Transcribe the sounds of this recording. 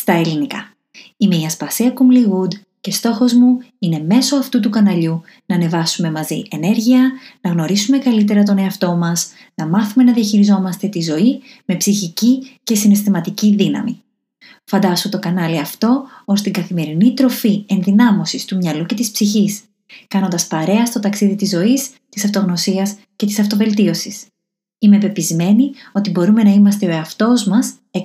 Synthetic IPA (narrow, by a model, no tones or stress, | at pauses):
st̪ɐelinikɐ | imeiɐspɐsiɐkumliɣud̪ | ce̞st̪o̞xo̞zmuine̞me̞so̞ɐft̪ut̪ukɐnɐʎu | nɐːne̞vɐsume̞mɐzḭʔe̞ne̞ɾʝiɐnɐɣno̞ɾisume̞kɐlit̪̬e̞ɾɐt̪̬o̞ne̞ɐft̪o̞mɐs | nɐmɐθume̞nɐðiɐçiɾizo̞mɐst̪e̞t̪izo̞i | me̞psiçicice̞sine̞st̪imɐt̪iciðinɐ̰mi | fɐnd̪ɐsut̪o̞kɐnɐliɐft̪o̞ost̪iɡɐθime̞ɾinit̪ɾo̞fie̞nðinɐmo̞sist̪umɲɐluce̞t̪ispsiçis | kɐno̞nd̪ɐspɐɾe̞ɐst̪o̞t̪ɐksiðit̪izːo̞is | t̪isɐft̪o̞ɣno̞siɐs | ce̞t̪i̥sɐft̪o̞ve̞lt̪io̞sis | ime̞pe̞pizme̞nio̞t̪ibo̞ɾume̞nɐimɐst̪e̞o̞e̞ɐft̪o̞zmɐs | e